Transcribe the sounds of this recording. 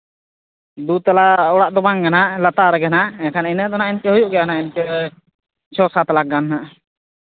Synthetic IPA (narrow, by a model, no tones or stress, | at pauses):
d̪ut̪alaɔɽaʔd̪ɔbaŋɡanaʔlat̪aɾɛɡɛnaʔɛkʰaninəd̪ɔnaʔinkɛɦujuʔɡɛjanaʔɛnkɛ | t͡ʃʰɔsat̪laɡanɦaʔ